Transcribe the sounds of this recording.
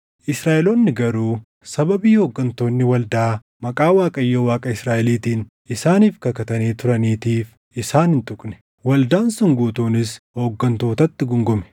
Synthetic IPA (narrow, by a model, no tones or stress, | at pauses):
ʔɪsɾaːʔɛloːnːɪɡɐɾuː | sɐbɐbiːhoːɡːɐnt̪o̞ːnːɪwɐld̪aː | mɐkʼaːwaːkʼɐjːoːwaːkʼɐɪsɾaːʔɛliːt̪iːn | ʔɪsaːniːfkɐkɐt̪ɐniːt̪ʊɾɐniːt̪iːf | ʔɪsaːnhɪnt̪ʼʊkʼnɛ̥ | wɐld̪aːnsʊŋɡuːt̪uːnɪshoːɡːɐnt̪o̞ːt̪ɐt̪ːɪɡʊŋɡʊmɛ̥